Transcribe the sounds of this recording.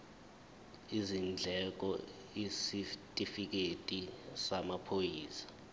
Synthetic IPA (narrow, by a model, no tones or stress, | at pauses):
izind͡ɮʱɛk̬ɔ | isitʼifik̬etʼisamapʰojiːsḁ